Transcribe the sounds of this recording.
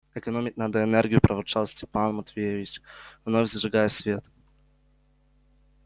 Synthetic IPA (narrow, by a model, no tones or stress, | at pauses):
ɛkɐnomʲɪknad̪əɛnɛrɡʲijʊpɾɐvʊt͡ʂalˠsʲtʲɪ̥panmɐt̪vʲejevʲɪt͡ɕvnovʲzʐɨɡajɛsʲvʲet̪